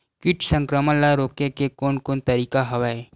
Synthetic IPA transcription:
kɪʈsə̃ŋkɾəməlaɾoːkekekoːnkoːnt̪ɐɾiːkaɦɐʋae

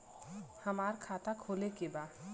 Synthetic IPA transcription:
həmaːɾkʰaːt̪akʰoːlekebaːd̪

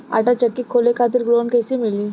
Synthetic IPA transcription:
a̰ʈat͡ʃəkːikʰoːlekʰat̪̬iɾɡɾoːnkɛsimɪliː

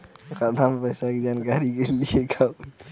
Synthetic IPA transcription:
kad̪ʱampəjsakid͡ʒaːnkaːɾikeliekʰa

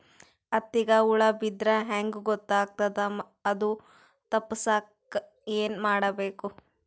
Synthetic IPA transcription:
ɐt̪ːiɡɐuɭɐbid̪ɾɐɦeŋɡuɡɔt̪ːaːɡ̚t̪ɐd̪ɐ | ɐd̪u | t̪ɐpːɐsaːk | eːnmaːɽɐbeːku

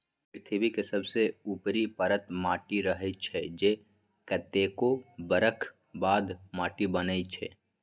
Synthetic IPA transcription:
pɾɪt̪ʰibikesɐbseuːpɾipəɾət̪maːʈiɾəɦət͡ʃʰɛd͡ʒe | kət̪eːkobəɾəkʰ | baːd̪maːʈibənəit͡ʃʰɛ̰ː

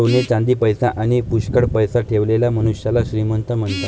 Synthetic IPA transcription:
onet͡ɕãnd̪iːpəjsaʔaɽ̃ipuɕkəɽpəjsaʈʰeʋlelaməñuɕjalaɕɾimənt̪əm̤əɳt̪a

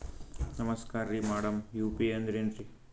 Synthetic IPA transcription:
nɐmɐskaːɾɾimaːɽɐmjuːpiɐnd̪ɾenɾi

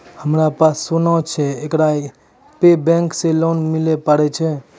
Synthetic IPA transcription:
həmɾapasːunawt͡ʃʰɛekɾai | pebɛ̃ŋkselonmilɛpəɽɛt͡ʃʰɛ

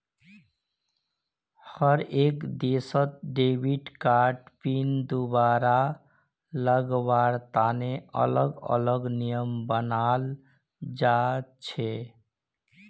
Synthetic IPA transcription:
həɾekd̪esət̪̚ɖebʱiʈkaɾʈpind̪ubaɾa | ləɡbaɾt̪aneə̰ləɡə̰ləɡnijəmbənal | d͡ʒat͡ʃʰe

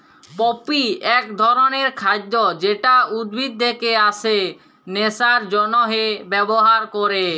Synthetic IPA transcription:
pɔpiɛk̚d̪ʱɔɾoneɾkʰad̪ːod͡ʑeʈaud̪bʱid̪̚d̪ʱekeaʃʰe | nesaɾd͡ʑɔnoɦebɛboɦaɾkoɾe

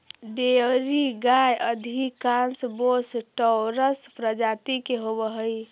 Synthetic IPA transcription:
d̪eɾiɡajʔəd̪ʱikansbosʈəɾəspɾəd͡ʒat̪ikeɦobəɦəj

